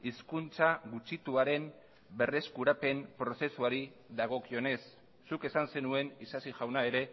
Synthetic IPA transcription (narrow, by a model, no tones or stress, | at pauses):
iskunt͡saɣut͡ʃit̪uaɾe̞m | be̞re̞skuɾape̞mpɾo̞se̞suaɾi | ðaɣ̞o̞kio̞ne̞sː | uke̞sanse̞nue̞nisasiʝawnae̞ɾe̞